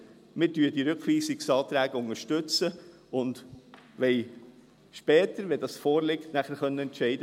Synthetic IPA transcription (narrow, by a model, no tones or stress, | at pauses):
mɪɾdyːdiɾɵkχʋiːsɪksɑːt̪ɾæːɡ̥əʊŋəʃtʏt͡sə | ʊnd | ʋɛɪ | ʃpɛːtəɾʋɛdɑsfɔːɾlɪktnæχəɾχœnːəɛntʃɛɪdə